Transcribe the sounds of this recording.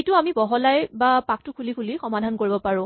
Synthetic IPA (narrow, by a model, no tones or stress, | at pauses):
etʊamibɔɦɔlajbapak̚tʊkʰulikʰulixɔmadʱankoɹibɔpaɹʊ̃